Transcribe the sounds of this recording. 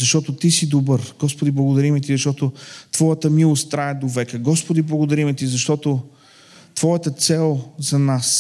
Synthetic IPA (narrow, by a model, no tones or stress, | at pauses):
zɐʃt̪ɔt̪ot̪isid̪obəɾɡ̥ɔspod̪iblˠɐɡod̪ɐɾimɛt̪izɐʃt̪ɔt̪ot̪v̥ɔjət̪əmilˠost̪t̪ːɾaɛd̪ovɛkəɡɔspod̪iblˠɐɡoʊd̪ɐɾimɛt̪izɐʃt̪ɔt̪o | t̪v̥ɔjət̪ət̪sɛlˠzɐnas